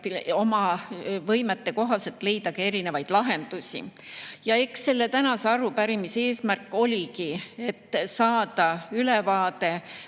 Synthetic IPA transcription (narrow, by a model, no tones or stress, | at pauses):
io̞mɑvɤjmet̪ːe̞ko̞ɦɑse̞t̪ːˑle̞jd̪̥ɑkee̞ɾine̞vɑjd̪̥lɑɦe̞nd̪̥usʲḭjɑe̞ksːe̞lːe̞t̪ænɑseɑɾupæɾimise̞ːsmærkːˑo̞lʲikie̞t̪ːsɑːd̪̥ɑylevɑːd̪̥e̞